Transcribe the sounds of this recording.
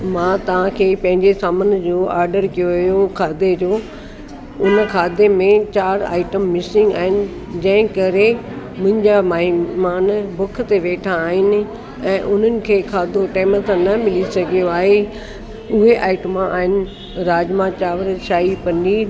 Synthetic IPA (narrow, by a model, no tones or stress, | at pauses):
mãːt̪ɐʋ̤ãkʰeːpɐ̃ɦɪ̃ɲd͡ʑesaːmənd͡ʑoːaːɾɖəɾkijoʋjokʰaːd̪ed͡ʑoː | ʊnkʰaːd̪emẽt͡ɕaːɾa̰ːɪʈəmːɪsɪ̃ŋɡa̰ːɦɪnɪ̆ | d͡ʑɐ̃ɦɪ̃kɐɾe | mʊ̃ɦɪ̃ɲd͡ʑamaːɦimaːnbʊkʰt̪eʋeːʈʰãːɦɪnɪ̆ | ɛ̃ːʔʊn̤ənɪ̆kʰeːkʰaːd̪oʈaːmt̪ãnɐmɪlisɐɡʱijoaːɦe | ʊɦeʔaːɪʈəmãʔa̰ːɦɪnɪ̆ | ɾaːd͡ʑmãt͡ɕaːʋɾʃaːipɐ̃nɖi